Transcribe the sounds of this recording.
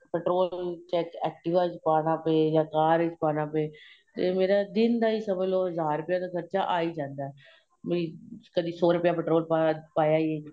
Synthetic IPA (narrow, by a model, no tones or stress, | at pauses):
pɛːʈɾoːllt͡ʃɛːkɛ̰ːk̚ʈɪʋaːjzpaːnaːpeːjaːkaːɾɪt͡ʃpaːnaːpeːt̪eːmeːɾaːd̪ɪnd̪aːiːsəməloːɦəzaːɾɾʊpɪjaːd̪aːkʰəɾt͡ʃaːʔaːiːd͡ʒãːnd̪aɛː | mĩkəd̪iːsoːɾʊpɪjaːpɛʈɾoːlpapaːjaːieː